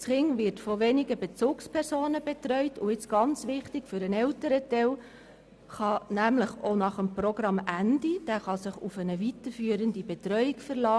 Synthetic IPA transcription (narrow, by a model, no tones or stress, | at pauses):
sχɪŋʋɪɾtfoʋeniɡəbet͡suːkspʰɛɾsoːnəbet̪ɾœʏtʰʊɪt͡sɡ̥ɑnt͡sʋɪχtɪɡfʏɾənɛltəɾətɛl | χɑnæmləχonɑχəmpɾoɡ̥ɾɑmændid̥æːχɑsɪχufənəʋit̪əɾfyːəɾəndibet̪ɾœʏikfəɾlɑː